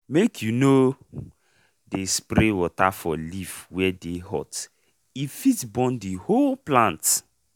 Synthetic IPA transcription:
mekʰjuno | despɾewɔtafɔlifwɛdeɦɔ̰t | ifitbɔ̃ndiholplãnt

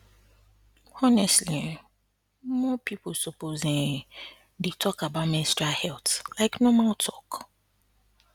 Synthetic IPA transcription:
ɔnɛstli | mɔpʰipʰolsɔpozɪ̃ŋ | detʰɔkabaʊtmɪ̃stɹahɛltlaɪknomaltʰɔk

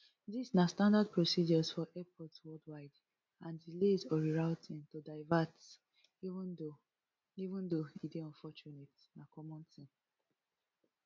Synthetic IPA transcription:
disnastãndad̚pɹosid͡ʒɔsfɔʔɛpʰɔtwɔldwaɪd | ãndilezɔɹiɹaʊtʰĩntodaɪvat | iṽno | ivũndoideɔ̃nfɔt͡ʃunet | nakɔmɔ̃ntʰĩn

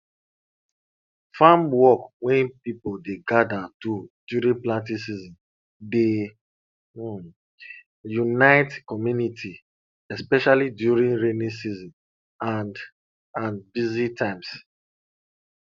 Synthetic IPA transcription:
fãmwɔkwɛ̃npipodeɡadatud̥juɾĩnplãntĩsizɔ̃n | de | junaɪtkɔmjunitʰi | ɛspɛʃalidjuɹĩnɹẽnĩsizɔ̃n | an | ãnbizitʰãɪ̃ms

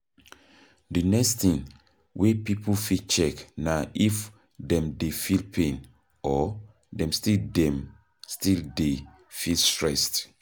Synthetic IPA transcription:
dənɛkstĩŋ | wʔepipofit͡ʃɛknaʔif | dɛ̃mdefilpʰẽn | ʔɔ | dɛ̃mstildɛ̃m | stilde | filstɹɛst

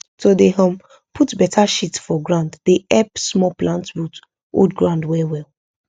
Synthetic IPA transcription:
todeɦãm | pʰutbɛtʰaʃitfɔɡɹãʊnddeʔɛpsmɔplãntbut | o̰dɡɹãʊ̃ndwɛwɛl

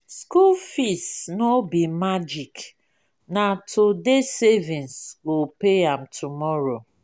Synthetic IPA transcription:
skulfisnobimad͡ʒik | natʰodesevĩnsɡopeãmtʰumɔɹo

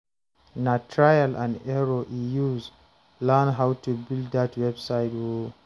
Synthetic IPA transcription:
natʰɹajalʔãndɛɹoʔijuz | lanɦawtubilddatwɛbsajtwo

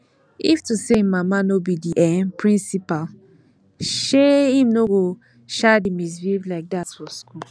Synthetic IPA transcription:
iftusemamanobidiʔɛnpʰɹĩnsipal | ʃehĩmnoɡo | ʃadimis̬vivlaɪk̚datsfɔskul

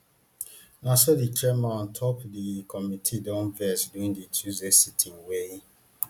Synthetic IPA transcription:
nasoditɹɛmaɔ̃ntʰɔpdikʰɔmitʰidɔ̃nvɛsduĩŋdit͡ʃʰuzesitʰĩŋwe

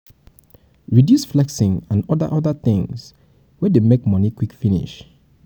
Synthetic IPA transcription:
ɹidjusflɛksɪ̃ŋãnɔdə̰ʔɔðəθɪ̃ŋs | wɛdemekmɔnikwikfinḭʃ

